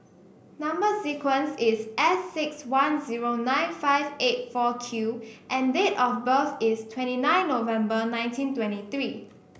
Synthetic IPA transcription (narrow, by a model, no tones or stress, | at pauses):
nãmbəsikwə̃nsisʔɛsːɪkswãnziɹonãɪ̃nfaɪvet̚fɔkʰjuʔɛ̃ndetɔfbəθistʰwɛ̃ntinãɪ̃nːovɛ̃mbənãɪ̃ntĩntwɛ̃ntiθɹi